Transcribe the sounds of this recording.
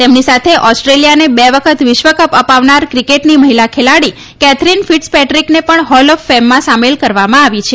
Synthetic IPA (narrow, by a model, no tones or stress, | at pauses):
t̪emnisat̪ʰeʔɔsʈɾelijanebeʋəkʰət̪ʋɪʃʋəkəpəpaʋnaɾkɾikeʈniməɦilakʰelaɽi | kɛt̪ʰɾinfiʈspɛʈɾiknepəɳɦɔlɔfːɛmːãsamelkəɾʋamãaʋit͡ʃʰe